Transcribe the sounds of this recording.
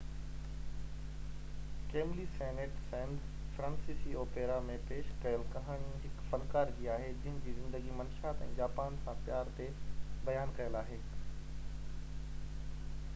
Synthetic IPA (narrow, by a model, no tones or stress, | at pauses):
keːmlisɛːneʈsɛ̃ːnd̪ | fɾãːnsiːsioːpeːɾamẽpeːʃkɐjəlkɐɦaːɽ̃iɦɪkfɐlkaːɾd͡ʑiːaːɦed͡ʑɪɦɪñd͡ʑiːzɪ̃nd̪əɡimɐnʃaːt̪ɛ̰̃ːd͡ʑaːpaːnsãpjaːɾt̪ebɐjaːnkɐjəlaːɦeː